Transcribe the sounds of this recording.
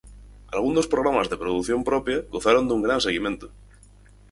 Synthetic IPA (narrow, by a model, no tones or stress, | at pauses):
alɣ̞und̪ospɾoɣɾamazðepɾoðuθjompɾɔpjaɡoθaɾond̪uŋɡɾans̬eɣimẽnt̪o̥